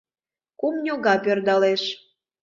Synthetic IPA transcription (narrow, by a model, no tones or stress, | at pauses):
kumnʲoɣɑpørd̪ɑleʃ